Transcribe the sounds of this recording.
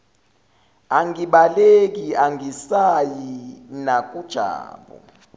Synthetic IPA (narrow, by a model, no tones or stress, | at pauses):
aŋɡiɓalek̬iaŋisajinak̬ʼud̥ʒ̥ʱa̰ːɓɔ̰